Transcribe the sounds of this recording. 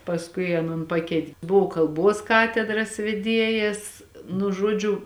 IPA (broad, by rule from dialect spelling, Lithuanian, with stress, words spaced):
pɐsˈkʊɪ ɐˈnoːn ˈpɑːkʲɛɪtʲ ˈbʊʋoː kɐlˠˈbuɔs ˈkɑːtʲɛdrɐs ʋʲɛˈdʲiɛjɛs nʊ ˈʒuɔd͡ʒʲʊ